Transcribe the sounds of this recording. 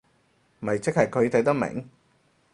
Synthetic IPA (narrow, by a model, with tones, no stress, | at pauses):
m˨ɐ˨jt͡sɪ˥k̚hɐ˨jkʰɵ˨˧ɥt̪ʰɐ˨˥jt̪ɐ˥mɪ̰˨˩ŋ